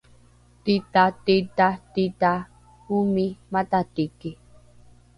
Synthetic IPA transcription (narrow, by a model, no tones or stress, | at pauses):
t̪it̪at̪it̪at̪it̪a | humimat̪at̪iki